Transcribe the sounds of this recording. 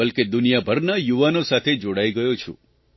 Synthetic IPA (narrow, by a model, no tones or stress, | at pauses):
əlked̪unijabʱəɾnəjuʋanosat̪ʰed͡ʒoɽajɡəjot͡ʃʰṵ̃